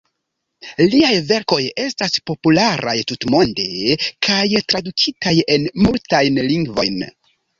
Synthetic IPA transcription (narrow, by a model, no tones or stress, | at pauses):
liajve̞ɾko̞je̞staspo̞pulaɾʔa̰jtutmo̞nde̞kʰajtɾadukʰitaje̞nmultajnliŋɡvo̞̰jn